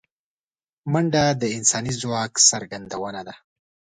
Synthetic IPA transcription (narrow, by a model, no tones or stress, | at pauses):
maɳɖad̪əɪnsɑnizwɑksaɾɡand̪awənad̪a